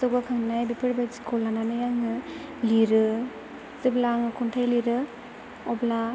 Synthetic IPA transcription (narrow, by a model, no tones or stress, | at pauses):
sɯɡakʰaŋnajbipʰɯɾbajd͡ʒkɔlananɯjaŋɯ | liɾɯ | zɯblaŋɯkʰuntʰajliɾɯ | ɔbla